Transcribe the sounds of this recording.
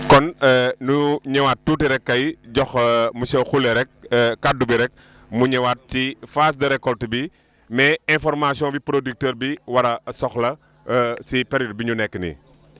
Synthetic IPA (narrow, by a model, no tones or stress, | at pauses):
kɔnnuɲɐwat̚tːuːtiɾɛkːɐjɟɔxmusɛwxulɛɾɛk̚ːadubiɾɛk̚ | muɲɐwat̚cifaːs̬dəɾɛkːɔltəbi | mɛɛ̃nfɔrmasijɔ̃bipɾodik̚tɛːɾbiwɐɾɐsɔxlɐ | sipɛɾjɔd̚biɲunɛkːənḭ